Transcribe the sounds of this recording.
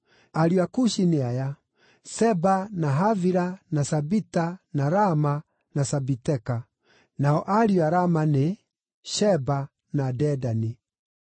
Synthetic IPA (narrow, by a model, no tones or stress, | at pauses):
aɾiakuʃineaja | sɛbanaɦaviɾanasabitanaɾama | nasabitɛka | naɔʔaɾiaɾamane | ʃɛba | nadɛdani